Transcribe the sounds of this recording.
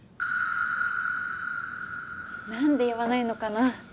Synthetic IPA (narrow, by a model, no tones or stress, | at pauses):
nand̪e̞jaβanaino̞kana